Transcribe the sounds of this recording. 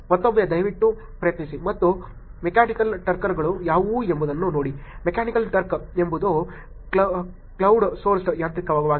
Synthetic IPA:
mɐt̪ːobjɐd̪ɐjʋiʈːu | pɾɐjɐt̪nisimɐt̪ːu | mekaːnikɐlʈɐɾkɐɾɡɐɭujaːʋuːembud̪ɐnːuno̞ːɽimekaːnikɐlʈɐɾkembud̪u | kɐ | klɐwɖsoːɾsjaːnt̪ɾikɐʋaːɡɐʋaːɡ

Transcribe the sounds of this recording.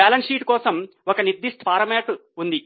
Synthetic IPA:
aːlɐnʂiːʈkɔːsɐm | ɔkɐniɾd̪iʂʈpaːɾɐmeːʈund̪i

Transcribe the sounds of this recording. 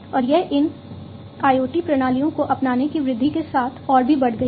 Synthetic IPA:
ɔːɾjɛɦʔɪn | aːjoːʈipɾɐɽ̃aːlijõkoʔɐpnaːnekiʋɾɪd̪ʱːikesaːt̪ʰɔːɾbʱibɐɽ̤ɡɐi

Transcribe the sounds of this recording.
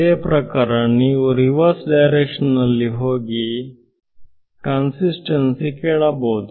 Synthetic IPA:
epɾəkaɾanːiuɾiʋəɾsɖajɾekʂənəlːiɦoɡi | kansisʈənsikeɭabod̪

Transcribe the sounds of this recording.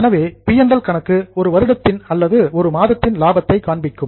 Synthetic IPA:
ɛnɐʋeːpɪjɐnɖɐlkɐɳɐkːɯɔɾɯʋɐɾɯɽɐt̪ːɪnɐlːɐðɯɔɾɯmaːðɐt̪ːɪnlaːbɐt̪ːɐɪkaːɳbɪkːɯm

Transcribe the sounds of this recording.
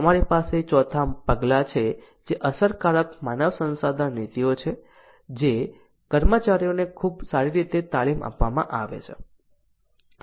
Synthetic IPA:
əmaɾipaset͡ʃɔt̪ʰapəɡlat͡ʃʰe | d͡ʒeʔəsəɾkaɾəkmanəʋsə̃nsad̪ʱanit̪iot͡ʃʰe | d͡ʒe | kəɾmət͡ʃaɾijonekʰubsaɾiɾit̪et̪alima̰pʋamã̰ʔaʋḛt͡ʃʰe

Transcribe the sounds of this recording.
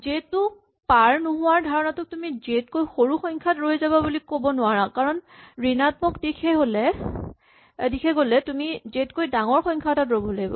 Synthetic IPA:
zetːʊ | paɹnuɦʊwaɹdʱaɹɔnatʊtumizetkojxoɹuxɔŋkʰatɹojzababulikobɔnʊwaɹakaɹɔnɹinatmɔkdikʰɛɦolɛ | dikʰɛɡolɛtumizetkojdaŋɔɹxɔjŋkʰatatɹojbɔlaɡibɔ̰

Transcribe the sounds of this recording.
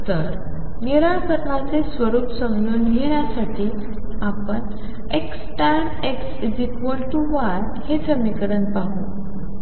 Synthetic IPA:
t̪əɾ | niɾaɭpəɾnat͡sesʋəɾuːpsəmɡnuːnɡʱeɳ̃jasaʈʰiː | apəɳ | eksʈaɳ | eksid͡ʑikʋəlʈuʋaɾ | hed͡zəmikɾənpaɦu

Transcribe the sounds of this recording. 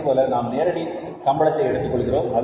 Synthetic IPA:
poːlɐnaːmneːɾɐɽi | sɐmbɐɭɐt̪ːɐɪɛɽɯt̪ːɯkːɔɭɯɣɪroːmːɐð

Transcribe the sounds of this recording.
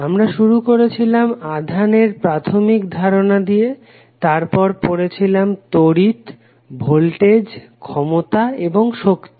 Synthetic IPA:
amɾaʃuɾukoɾet͡ɕʰilamad̪ʱaneɾpɾat̪ʰomikd̪ʱaɾonad̪ije | t̪aɾpɔɾpoɾet͡ɕʰilamt̪oɾit̪ | bʱolʈed͡ʑ | kʰɔmot̪aeboŋʃokt̪i

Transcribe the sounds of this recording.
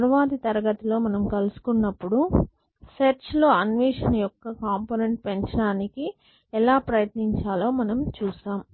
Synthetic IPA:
ɾɐʋaːd̪it̪ɐɾɐɡɐt̪ilo̞ːmɐnɐmkɐlusu̥kunːɐpːuɽu | seɾt͡ʃlo̞ːɐnʋiːʂɐnɐjɔkːɐkaːmpoːneɳʈ̚peɲt͡ʃɐɽaːniki | ɛlaːpɾɐjɐt̪niɲt͡ʃaːlo̞ːmɐnɐmt͡ʃuːsaːm

